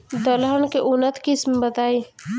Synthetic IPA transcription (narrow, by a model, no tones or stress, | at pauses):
d̪əlɦənkeʔʊnət̪kɪsmbət̪aːi